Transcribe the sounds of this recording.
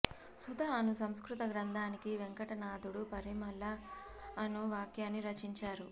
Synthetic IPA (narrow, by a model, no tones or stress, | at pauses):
sud̪ɐɐnusɐmskɾut̪ɐɡɾɐnd̪ʱaːnikiʋeŋkɐʈɐnaːd̪uɽupɐɾimɐlːɐː | nuʋaːkjaːnːiɾɐt͡ʃiɲt͡ʃaːɾu